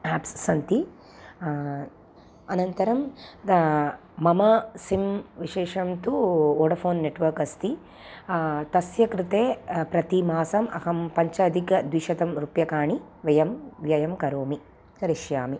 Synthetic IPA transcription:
æːpsːɐnt̪i | ɐnɐnt̪ɐɾɐmd̪ | mɐmɐsimʋiʃeːʃɐmt̪uoːɽɐpʰoːnːeʈʋɐɾkɐst̪i | t̪ɐsjɐkɾit̪eːpɾɐt̪imaːsɐmɐ̰ɦɐmpɐɲt͡ʃɐːd̪ʱikɐd̪ʋiʃɐt̪ɐmɾupjɐkaːɳiʋɐjɐmʋjɐjɐmkɐɾoːmi | kɐɾiʃjaːmi

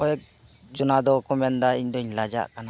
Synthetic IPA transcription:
ɔjɛk̚ | d͡ʒɔnad̪ɔkumɛnd̪aiɲd̪ɔɲlad͡ʒa̰ʔkana

